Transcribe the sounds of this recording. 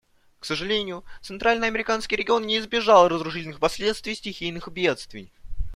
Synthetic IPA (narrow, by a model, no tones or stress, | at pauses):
ksəʐɨlʲenʲɪjʊt̪sɨnt̪ɾalʲnɨjɐmʲɪɾʲɪkanskʲɪjɾʲɪɡʲɪo̞nnʲɪːzbʲɪʐalˠrəzɾʊʂɨtʲlʲnɨxpɐsʲlʲe̞t̪st̪vɪjsʲtʲɪxʲijnɨxbʲe̞t̪st̪vʲɪ̰j